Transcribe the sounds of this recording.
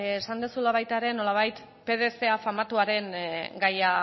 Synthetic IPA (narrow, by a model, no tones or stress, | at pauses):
esand̪osulaβ̞ajt̪aɾe̞no̞laβ̞ajt̪ | pe̞ðe̞se̞afamat̪uaɾe̞ŋɡaja